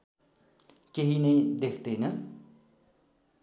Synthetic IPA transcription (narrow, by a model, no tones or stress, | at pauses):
keɦinʌjd̪ekʰd̪ʌjnʌ